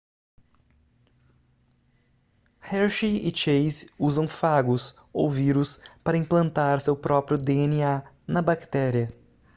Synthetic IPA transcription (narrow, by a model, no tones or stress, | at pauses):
hɛɾʃiɪt͡ʃejzuzɐ̃w̃faɡʊs | owviɾʊspaɾɐĩmplɐ̃nt̪aɾsewpɾɔpɾjʊd̪eenia | nɐbakt̪ɛɾiɐ